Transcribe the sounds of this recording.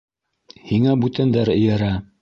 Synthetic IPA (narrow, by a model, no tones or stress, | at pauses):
hiŋæbʉt̪ænd̪æɾɘ̆jæɾæ